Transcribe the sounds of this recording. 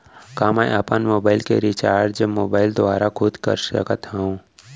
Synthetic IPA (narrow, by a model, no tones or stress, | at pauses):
kaːmɛjʔɐpənmoːbaːɪlkeɾɪt͡ʃaːɾɖd͡ʒəmoːbaːɪld̪ʊaːɾakʰʊd̪kə̰ɾʃɾə̰kət̪ɦɛũ